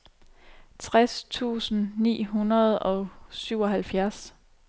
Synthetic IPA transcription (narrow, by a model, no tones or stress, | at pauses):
t͡sʰʁast͡sʰṵːsn̩nḭːɦunɐðˠɒ̽syʊ̰ɒ̽ɦælfjæɐs